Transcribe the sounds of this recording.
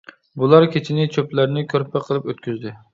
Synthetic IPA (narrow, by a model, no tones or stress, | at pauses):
bulˠɑɾkʲʰet͡ʃʰɪnɪt͡ʃʰøplæɾnɪkʲʰøɾpʰɛqʰəlˠɨpøt̪̚kʲyzd̪ɪ